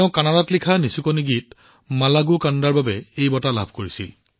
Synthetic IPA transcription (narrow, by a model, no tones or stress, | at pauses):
ʊ̃kanadatlikʰanisukoniɡit | malaɡukandaɹbabɛejbɔtalabʱkoɹisḭl